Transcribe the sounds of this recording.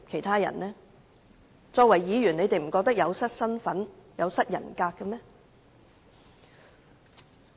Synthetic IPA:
kʰe˨˩jt̪ʰaː˥jɐ̰˨˩nnɛː˥ | t͡sɔː˧k̚wɐ˨˩jːiː˨˧ɥyː˨˩ne˨˧jt̪e˨jm̩˨˩kɔː˧k̚t̪ɐ˥k̚jɐ˨˧wsɐ˥t̚sɐ˥nfɐ˨˥njɐ˨˧wsɐ˥t̚jɐ̰˨˩nkaː˧kːɐ˧mɛː˥

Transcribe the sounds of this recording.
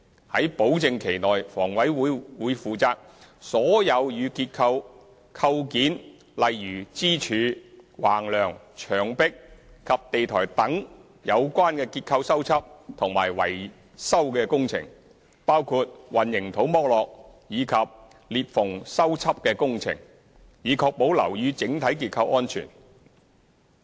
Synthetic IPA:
hɐ˨˥jpo˨˥wt͡sɪ˨ŋkʰe˨˩jnɔː˨jfɔː˨˩ŋwɐ˨˥juː˨˥wuː˨˧jfuː˨t͡saː˧k̚ | sɔː˨˥jɐ˨˧wjyː˨˧kiː˧t̚kʰɐ˧w | kʰɐ˧wkiː˨˥n | lɐ˨jjyː˨˩t͡siː˥t͡ʃʰyː˨˧waː˨˩ŋlœː˨˩ŋ | t͡ʃʰœː˨˩ŋpɪ˥k̚kʰːɐ˨p̚t̪e˨jt̪ʰɔː˨˩jt̪ɐ˨˥ŋ | jɐ˨˧wkʷaː˥nkɛː˧kiː˧t̚kʰɐ˧wsɐ˥wt͡sʰɐ˥p̚t̪ʰʊ˨˩ŋmaː˨˩jwɐ̰˨˩j | sɐ˥wkɛː˧kʊ˥ŋt͡sʰɪ̰˨˩ŋ | paː˥wkʰuː˧t̚wɐ˨njɪ˨˩ŋt̪ʰo˨˥wmɔː˥k̚lɔː˨k̚jiː˨˧kʰɐ˨p̚ | liː˨t̚fʊ˨˩ŋsɐ˥wt͡sʰɐ˥p̚kɛː˧kʊ˥ŋt͡sʰɪ̰˨˩ŋ | jiː˨˧kʰɔː˧k̚mo˨˥wlɐ̰˨˩wjyː˨˧t͡sɪ˨˥ŋt̪ʰɐ˨˥jk̬iː˧t̚kʰɐ˧wʔɔː˥nt͡ʃʰy̰ː˨˩n

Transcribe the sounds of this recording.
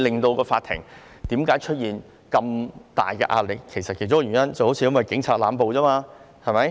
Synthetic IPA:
lɪ˨ŋt̪o˧wkɔː˧faː˧t̪ʰːɪ̰˨˩ŋ | t̪iː˨˥mkaː˨˥jt͡ʃʰɵ˥t̚jiː˨n | kɐ˧mt̪a̰ː˨˩jkɛː˧ʔa̰ː˧t̚lɪ˨kʰːe˨˩jsɐtkʰe˨˩jt͡so˨˥kːɔ˧˩yː˨˩ɲjɐ˥nt͡sɐ˨who˨˥wt͡sʰiː˧jɐ˥nwɐ˨˩jkɪ˨˥ŋt͡sʰaː˧t̚laː˨˧˥mpo˨˧wt͡sɐː˥maː˧ | hɐ˨˩jmɐ˨˦˥j

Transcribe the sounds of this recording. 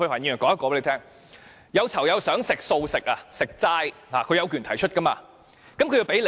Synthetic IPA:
ɵ˧faː˨˩njiː˨˥jœː˨˩kɔː˧˥ŋɐ˥kːɔ˧e˧˦˥e˧tʰɛː˥ŋ | jɐ˨˧wt͡sʰɐ˨˩wjɐ˨˧wsœː˨˥ŋsɪ˨k̚so˧wsɪ˨k̚aː˧sɪ˨k̚t͡saː˧˥jla̰ː˨˩kʰɵ˧jɐ˨˧wky˨˩nt̪ʰjt͡ʃʰɵ˥t̚kɐ˥maː˧ | kɐ˨mkʰji˧wpe˨˥jl

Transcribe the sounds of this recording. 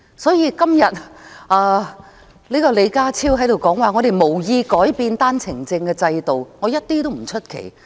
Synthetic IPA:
sɔː˨˥jiː˨˧kɐ˥mjɐ˨˩t̚aː˧ | niː˥kɔː˧le˨˧jkaː˥t͡sʰiː˥wɦɐ˨˥jt̪o˨wkɔː˨˥ŋwaː˨˩ŋɔː˨˧ɾe˨jmo˨˩wjiː˧kɔː˨˥jpiː˧nt̪aː˥nt͡sʰɪ˨˩ŋt͡sɪ˧ŋkɛː˧t͡sɐ˧jt̪o˨wŋɔː˨˧jɐ˥t̚t̪iː˥t̪̬o˥wm̩˨˩t͡ʃʰɵ˥t̚kʰḛ˨˩j

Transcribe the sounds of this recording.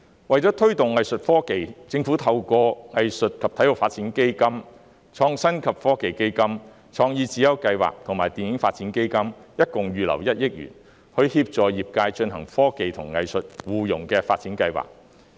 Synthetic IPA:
wɐ˨jt͡sɔː˨˥t̪ʰɵ˥ɥt̪ʊ˨ŋːɐ˨jsɵ˨t̚fɔː˥ke˨jt͡sɪ˧ŋfuː˨˥t̪ʰɐ˧wkɔː˧ŋɐ˨jsɵ˨t̚kʰɐ˨p̚t̪ʰɐ˨˥jlʊ˨k̚faː˧t̚t͡siː˨˥nke˥jkɐ˥m | t͡sʰɔː˧˥ŋsɐ˥nkʰɐ˨p̚fɔː˥ke˨jke˥jkɐ˥m | t͡ʃʰɔː˧ŋjiː˧t͡siː˨˥jɐ˥wkɐ˧jwa̰ː˨k̚t̪ʰʊ˨˩ŋmaː˨˩jt̪iː˨njɪ˨˥ŋfaː˧t̚t͡siː˨˥nke˥jkɐ˥mjɐ˥t̚kʊ˨ŋjyː˨˧lɐ̰˨˩wjɐ˥t̚jɪ˥k̚jy̰ː˨˩n | hɵ˧ɥhiː˧p̚t͡sɔː˨jiː˨p̚kaː˧jt͡ʃɵ˧nɦɐ̰˨˩ŋfɔː˥ke˨jt̪ʰʊ˨˩ŋːɐ˨jsɵ˨t̚wuː˨˧jʊ˨˩ŋkɛː˧faː˧t̚t͡si˨˥nkɐ˧jwa̰ː˨˩k̚

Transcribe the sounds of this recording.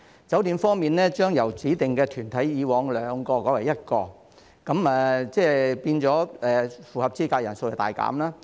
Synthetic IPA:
t͡sɐ˨˥wt̪iː˨˧mfɔː˥ŋmiː˨nlɛː˥t͡ʃœː˥ŋjɐ˨˩wt͡siː˨˥t̪ɪ˨ŋkɛː˧t̪ʰyː˨˩nt̪ʰɐ˨˥jːiː˨˧wɔː˨˧ŋlœː˨˧ŋkɔː˧kɔː˨˥wɐ˨˩jːɐ˥t̚kɔː˧ | kɐ˨˥mɛ˨˧t͡sɛː˥˩piː˧nt͡sɔː˨˥ɛː˨˩fuː˨˩hɐ˨p̚t͡siː˥kaː˧jɐ˨˩nso˧wkɛ˧˩t̪aː˨jka̰ː˨˥mlaː˥

